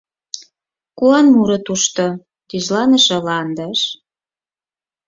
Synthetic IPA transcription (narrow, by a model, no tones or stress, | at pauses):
kuɑnmuɾɤt̪uʃt̪o | t̪yʒlɑnə̆ʃɤ̆lɑnd̪əʃ